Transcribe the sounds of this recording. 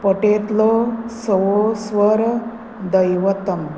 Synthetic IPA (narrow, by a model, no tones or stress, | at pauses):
pəʈet̪losəwosʋəɾ | d̪əjʋət̪əm